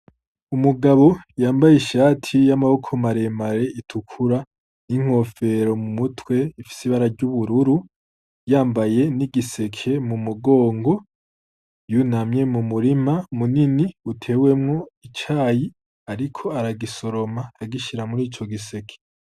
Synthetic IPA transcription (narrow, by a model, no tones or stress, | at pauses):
umuɡaβo̞jaːmbajeʃaːtʰijamaβo̞kʰomaɾe̞maɾe̞itʰukʰuɾa | niŋ̥ho̞fe̞ɾo̞mumutwe̞ifi̥siβaɾaɾɟuβuɾuɾu | jaːmbaje̞niɡise̞kʰe̞mumuɡo̞ːŋɡo̞ | junamɲe̞mumuɾimamuniniutʰe̞ːwe̞mŋo̞it͡ʃaːji | aɾikʰo̞aɾaɡiso̞ɾo̞maːɡiʃiɾamuɾiːt͡ʃo̞ɡise̞kʰe̥